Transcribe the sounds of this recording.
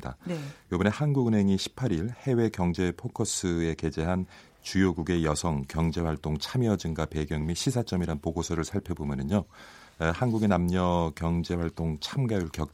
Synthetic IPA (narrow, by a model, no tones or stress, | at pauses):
da̰jobɯne̞hanɡuɡɯnɦe̞ŋiɕʰi̥pʰːaɾiɭhe̞we̞kjʌŋd͡ʑe̞pʰokʰʌs͈ʰɯe̞ke̞d͡ʑe̞ɦan | t͡ɕujoɡuɡe̞jʌsʰʌŋkjʌŋd͡ʑe̞ɸwaɭt͈oŋt͡ɕʰamjʌd͡ʑɯŋɡape̞ɡjʌŋmiɕʰisʰat͡ɕ͈ʌmiɾanpoɡosʰʌɾɯɭsʰaɭpʰjʌbomjʌnɯɲo | hanɡuɡe̞namɲʌkjʌŋd͡ʑe̞ɸwaɭt͈oŋt͡ɕʰamɡajuɭkjʌk̚